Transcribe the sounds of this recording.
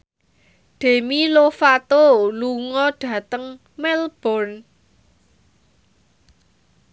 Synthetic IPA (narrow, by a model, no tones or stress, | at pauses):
ɖ̪̥e̤milofat̪oluŋɔɖ̥ä̤t̪əŋ | mɛlb̥ɔrn